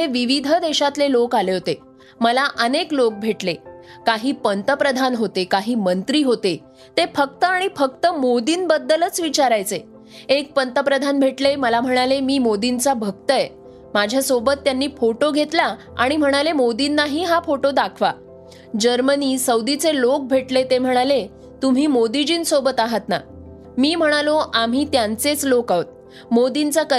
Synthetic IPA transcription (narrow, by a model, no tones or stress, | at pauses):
ɦeʋiʋid̪ʱəd̪eɕat̪lelokaleɦot̪e | məlaʔəneklok̚bʱeʈlekaɦiːpənt̪əpɾəd̪ʱanɦot̪ekaɦiːmənt̪ɾiːɦot̪e | t̪efək̚t̪əaɽ̃ifək̚t̪əmod̪iːnbəd̪ːələt͡sʋit͡ɕaɾajt͡se | ek̚pənt̪əpɾəd̪ʱanbʱeʈleməlam̤əɽ̃alemiːmod̪int͡sabʱək̚t̪əe | mad͡ʑʱjasobət̪ːjanːiːfoʈoɡʱet̪la | a̰ɽ̃im̤əɽ̃alemod̪inːaɦiːɦafoʈod̪akʰʋa̰ | d͡ʑəɾməniːsəwd̪it͡selok̚bʱeʈlet̪em̤əɽ̃ale | t̪um̤iːmod̪id͡ʑiːnsobət̪aɦət̪na̰ | miːm̤əɽ̃aloʔam̤iːt̪jant͡set͡slokaʋət̪̚ | mod̪int͡sakə